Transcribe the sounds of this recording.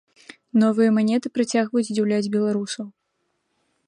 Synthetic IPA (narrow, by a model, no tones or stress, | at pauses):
nɔvɨjɐmanʲɛt̪ɨpɾat͡sʲaɣvɐjud͡zʲd͡zʲiwlʲad͡zʲbʲɛlˠaɾusɐw